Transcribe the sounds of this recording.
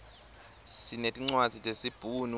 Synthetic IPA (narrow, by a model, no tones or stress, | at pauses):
sinetʼiŋ͡ǀwad̥z̥ʱitʼesib̥ʱuːnu